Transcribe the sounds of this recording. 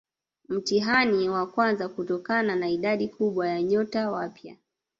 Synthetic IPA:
m̩tiɦaniwakwanzakutɔkananaiɗaɗikuɓwajaɲɔtawapja̰

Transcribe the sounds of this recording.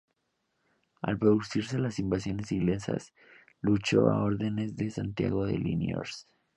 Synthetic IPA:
alpɾoðusiɾs̬e̞lasimbasjo̞ne̞siɣlensa̰s | lut͡ʃo̞a̰o̞ɾðe̞ne̞zðe̞sant̪ja̰ɣo̞ðe̞̰linijo̰ɾs

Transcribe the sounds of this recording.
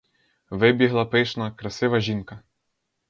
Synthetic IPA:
ʋɪbʲiɦlˠɐpɪʃnɐkɾɐsɪʋɐʒinkɐ

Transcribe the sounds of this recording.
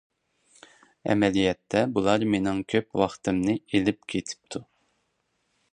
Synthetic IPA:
ɛ̰mɛlijɛt̪ʰːɛbulˠɑɾmenɪŋkʲʰøpwɑχt̪ʰɨmnɨelɪp̚kʲʰet̪ʰɪ̥p̚t̪ʰu

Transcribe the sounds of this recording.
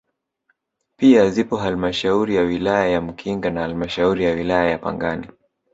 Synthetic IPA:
piazipɔɦalmaʃauɾijawilajajam̩kʰiŋɡanahalmaʃauɾijawilajajapa̰ŋɡani

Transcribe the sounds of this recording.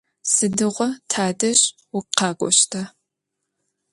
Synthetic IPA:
sɨdɨʁʷɔtʰaːdɐɕʼ | wʊqɑːɡʷʼɔ̰ɕtʰɐ

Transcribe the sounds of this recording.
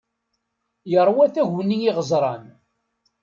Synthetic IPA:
jəɾˤwæθæʝnijiʁəzˤɾˤɑn

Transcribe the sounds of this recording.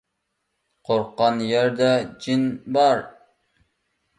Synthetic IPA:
qʰoɾqːɑnjæɾd̪ɛd͡ʒinbɑɾ

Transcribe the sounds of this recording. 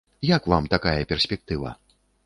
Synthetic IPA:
jakvamt̪akajɐpʲɛrsʲpʲɛk̚t̪ɨvɐ̰

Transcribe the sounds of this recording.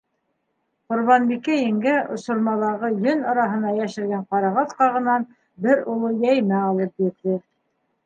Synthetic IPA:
qŏɾβɑnbikæjɘ̆ŋɡæŏsŏɾmɑlˠɑʁɤjɵnɑɾɑɦɤ̆nɑjæʃɘ̆ɾɡæɴqɑɾɑʁɑt̪qɑʁɤ̆nɑn | bɘɾulˠɤjæjmæɑlˠɤp̚jɘ̆ɾðɘ

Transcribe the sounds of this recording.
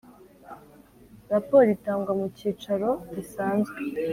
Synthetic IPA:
ɾapoːɾitaːŋɡwamuciːt͡ʃaɾo̞ɟisaːnzɡwe

